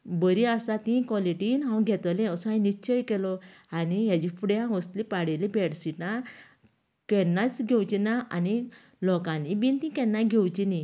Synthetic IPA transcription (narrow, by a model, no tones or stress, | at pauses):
bəɾiasat̪ĩkɔliʈinɦãw̃ɡʱɛt̪lẽsãjnit͡ɕʰəjkɛlɔanijad͡ʑifuɽjãʋəst̪lipaɽelibɛɽsiʈna | kɛnːat͡sɡʱɛwt͡ɕinaʔa̰ni | lɔkãlibint̪ĩkɛnːaɡʱɛwt͡ɕini